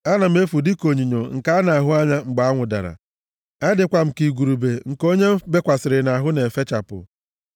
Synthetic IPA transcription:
a˦na˨m̩˦e˦fu˨di˦ko˨ɲi˨ɲo˨ŋ̩˨ka˦na˨a˨ɦʊ˦a˦ɲa˦ŋ͡m̩˨ɡ͡ba˨a˦ŋʷʊ˨da̰˨ɾa̰˨ | a˦dɪ˨kʷa˨m̩˨ki˨ɡʷu˨ɾu˨be˨ŋ̩˨ko˦ɲe˦be˦kʷa˨sɪ˨ɾɪ˨na˨ɦʊ˦ne˨fe˦t͡ʃa˨pʊ̰˨

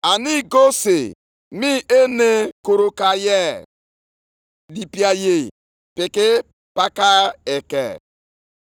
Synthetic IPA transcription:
a˨ni˦ɡo˦se˨ | mi˦ʔe˦ne˦ko˨ɾo˨ka˨jɛ˦ | di˨pi˨a˨je˨ | pɪ˨kɪ˦ | pa˦ka˦e˨kɛ̰˨

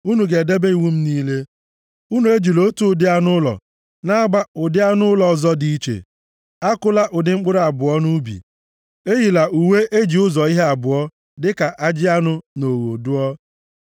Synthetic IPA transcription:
u˦nu˨ɡe˨de˦be˦i˨wu˦m̩˦niː˦le˦ | u˦nu˨e˦d͡ʒi˨lo˦tu˦˨˦dɪ˦a˦nʊ˦lɔ̰˨ | na˦a˦ɡ͡ba˦ʊ˨dɪ˦a˦nʊ˦lɔ˨zɔ˦di˦i˦t͡ʃḛ˨ | a˦kʊ˦la˦ʔʊ˨dɪ˨ŋ͡m̩˦k͡pʊ˦ɾa˨bʊ˨ɔ˦nu˦bḭ˨ | e˦ɦi˨la˨ʔu˨we˦ʔe˦d͡ʒi˨ʊ˦zɔ˨i˦ɦe˦a˨bʊ˨ɔ˦ | dɪ˦ka˨ʔa˦d͡ʒɪ˦a˦nʊ˦no˨ɣo̰˨du˦ɔ˦

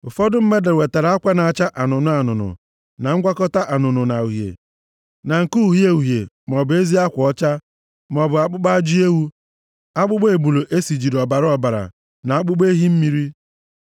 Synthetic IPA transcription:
ʊ˨fɔ˦dʊ˦m̩˦me˦de˨we˨ta˨ɾa˨˦a˦kʷa˦na˨t͡ʃa˦ʔa˨nʊ˨nʊ˦a˨nʊ˨nʊ̰˨ | na˨ŋ̩˦ɡʷa˦kɔ˦ta˦ʔa˨nʊ˨nʊ˨na˨u˨ɦjḛ˨ | na˨ŋ̩˨ku˦˨ɦje˦u˨ɦje˨ | m˨ɔ˨bʊ˨e˦zi˦a˦kʷɔ˨˦t͡ʃa˦ | m˨ɔ˨bʊ˨a˨k͡pʊ˦k͡pa˦d͡ʒi˦e˦wu˦ | a˦k͡pʊ˦ɡ͡be˨bu˨lo˨ʔe˦si˨d͡ʒi˨ɾɔ˨ba˨ɾɔ˨ba˨ɾa̰˨ | na˨a˦k͡pʊ˦ɡ͡be˦ɦi˦m̩˦mi˦ɾi˦

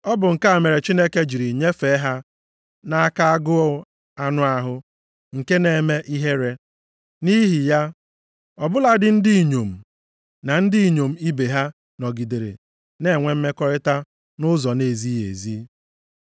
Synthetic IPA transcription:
ɔ˦bʊ˨ŋ̩˨ka˦a˨me˨ɾe˨t͡ʃi˦ne˦ke˦d͡ʒi˨ɾi˨ɲe˦fe˨˦ɦa˦ | na˦a˦ka˦a˦ɡʊ˦ɔ˦ | a˦nʊ˦a˦ɦʊ˦ | ŋ̩˨ke˦ne˨e˨me˦ʔi˦ɦe˦ɾe˦ | ni˦ɦi˨ja˦ | ɔ˨bʊ˦la˦dɪ˨n̩˦di˦˨ɲo˨m̩˨ | na˨n̩˦di˦i˨ɲo˨m̩˨i˦be˨ɦa˦ | nɔ˨ɡi˨de˨ɾḛ˨ | ne˦˨ŋʷe˦m̩˦me˦kɔ˦ɾɪ˦ta˦ | nʊ˦zɔ˨ne˨zi˦ḛ˨zi˦

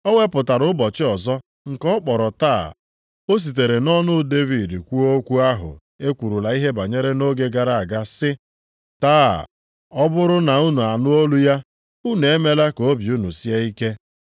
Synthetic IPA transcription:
ɔ˦we˦pʊ˨ta˨ɾʊ˨˦bɔ˨t͡ʃɪ˦ɔ˨zɔ˦ | ŋ̩˨kɔ˦k͡pɔ˨ɾɔ˨taː˦˨ | o˦s̬i˨t̬e˨ɾe˨nɔ˦nʊ˦de˦vi˨dkʷu˦o˦kʷu˦a˦ɦʊ̰˨ | e˦kʷu˨ɾu˨la˨i˦ɦe˦ba˨ɲe˦ɾe˦no˦ɡe˦ɡa˨ɾa˦a˨ɡa˦sɪ˦ | taː˦˨ | ɔ˦bʊ˦ɾʊ˦na˨u˦nu˨a˨nʊ˦o˦lu˦ja˦ | u˦ne˨e˦me˦la˦ko˦bi˨u˦nu˨si˦a˦i˦ke˦

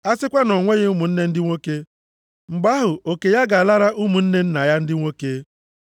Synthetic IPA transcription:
a˦sɪ˦kʷa˦nɔ˨ŋʷe˦ɣɪ˦u˦mu˨n̩˦ne˦n̩˦dɪ˦ŋʷo˦ke˦ | ŋ͡m̩˨ɡ͡ba˦ɦʊ˨ʔo˨ke˨ja˦ɡa˨a˨la˦ɾa˦ʔu˦mu˨n̩˦ne˦n̩˦na˨ja˦n̩˦dɪ˦ŋʷo˦ke˦

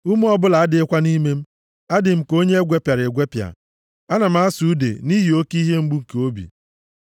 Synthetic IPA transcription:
u˦m˦ɔ˦bʊ˦la˨a˦dɪ˨ɪ˦kʷa˦ni˦me˦m̩˦ | a˦dɪ˨m̩˨ko˦ɲe˦e˦ɡʷe˦pja˨ɾɪ˨ɡʷe˦pja̰˨ | a˦na˨m̩˦a˦su˨˦dḛ˨ni˦ɦi˨o˦ki˦ɦe˦ŋ͡m̩˦ɡ͡bu˦ŋ̩˨ke˨o˦bḭ˨

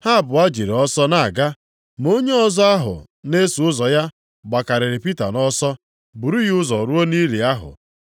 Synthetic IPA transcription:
ha˦˨bʊ˨a˦d͡ʒi˨ɾe˨ɔ˦sɔ˦na˨a˨ɡa˦ | m˨o˦ɲe˦ɔ˦zɔ˦a˦ɦʊ̰˨ | ne˦su˨ʊ˦zɔ˨ja˦ | ɡ͡ba˨ka˨ɾɪ˨ɾɪ˨pi˦ta̰˨nɔ˦sɔ˦ | bu˨ɾu˦ji˦ʊ˦zɔ˨ɾu˦o˦ni˦ɾi˨a˦ɦʊ̰˨

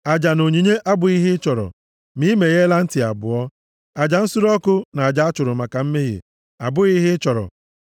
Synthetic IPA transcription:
a˨d͡ʒa˨no˨ɲi˨ɲe˦ʔa˦bʊ˨i˦ɦɪ˦ɪ˦t͡ʃɔ˨ɾɔ̰˨ | mi˦me˨ɣe˦la˦n̩˦tɪ˨a̰˨bʊ̰˨ɔ˦ | a˨d͡ʒa˨n̩˦su˦ɾɔ˦kʊ˦na˨a˨d͡ʒa˦a˦t͡ʃʊ˨ɾʊ˨ma˨ka˨m̩˦me˦ɣḭ˨ | a˨bʊ˦i˦ɦɪ˦t͡ʃɔ˨ɾɔ̰˨

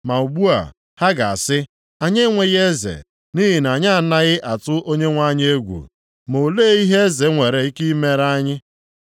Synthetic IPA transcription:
ma˨u˨ɡ͡bu˦a̰˨ | ha˦ɡa̰˨a̰˨sɪ˦ | a˨ɲe˦ŋʷe˨ɣe˦zḛ˨ | ni˦ɦi˨na˨ɲa˦a˨na˦ɣɪ˦ʔa˨tʊ˦ʔo˦ɲe˦ŋʷa˦ɲ˦e˦ɡʷṵ˨ | mo˨le˦i˦ɦe˦e˦ze˨ŋʷe˨ɾe˨i˦ki˦me˦ɾa˦ɲɪ˦

